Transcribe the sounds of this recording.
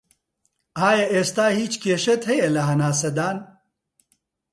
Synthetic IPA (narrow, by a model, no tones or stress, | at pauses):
aːjɐʔest̪aːhiːt͡ɕkeːʃɐt̪hejɐlɐɦɐnaːs̬ɐd̪aːn